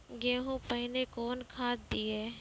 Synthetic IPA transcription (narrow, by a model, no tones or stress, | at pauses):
ɡẽːɦũpəɦɪnekoːnkʰaːd̪d̪ieː